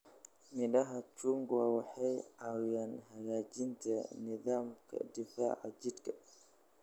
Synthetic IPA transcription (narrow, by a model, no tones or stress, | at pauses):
miɗaɦat͡ʃuŋɡuwawaħajawjanhajaːd͡ʒintaniðaːmkʰa̰difa̰ːʕa̰d͡ʒitka